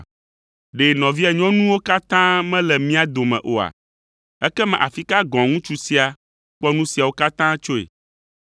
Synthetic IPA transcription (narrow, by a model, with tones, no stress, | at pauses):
ɖe˨nɔ̃˨vi˦a˨ɲɔ̃˦nũ˦wo˦ka˦t̪ã˦mɛ̃˦lɛ˨mĩ˦a˨d̪o˨mɛ̰̃˨ʔo˨a̰˨ | ɛ˦kɛ˦mɛ̰̃˨ʔa̰˨fi˦ka˦ɡɔ̃˨ŋũ˦t͡ʃu˦si˦a˨ | k͡pɔ˦nũ˦si˨a˨wo˦ka˦t̪ã˦t͡ʃo˦ḛ˨